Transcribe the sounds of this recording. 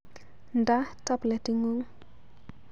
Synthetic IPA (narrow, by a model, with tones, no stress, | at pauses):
nda˦ta˦blɛ˨ti˦ŋu˦ŋ